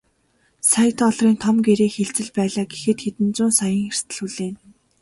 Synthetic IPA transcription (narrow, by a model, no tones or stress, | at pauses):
saj̆t̪ɔɮriːnt̪ʰɔmɡeɾeːxeɮt͡sɘ̆ɮpæːɮaːɡexɘ̆t̪xet̪ɘ̆nt͡sʊːnsajə̆ŋxer̥t̪ʰɘ̆ɮxuɮeːn